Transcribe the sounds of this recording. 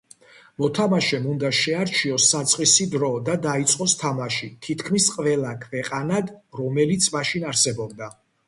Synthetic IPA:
mɔt̪ʰamaʃɛmund̪aʃɛaɾt͡ʃʰiɔsːat̪sʼqʼisid̪ɾɔd̪ad̪ait̪sʼqʼɔst̪ʰamaʃit̪ʰit̪ʰkʰmisqʼvɛlˠakʰvɛqʼanad̪ɾɔmɛlit̪sʰmaʃinaɾsɛbɔb̚d̪a

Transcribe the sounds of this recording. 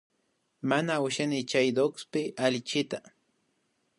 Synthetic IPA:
manaʊʃanɪt͡ʃajd̪okspɪʔalɪt͡ʃɪt̪a

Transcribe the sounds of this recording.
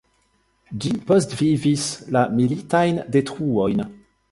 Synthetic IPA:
d͡ʒipɔstvivislamilitajndetχuojn

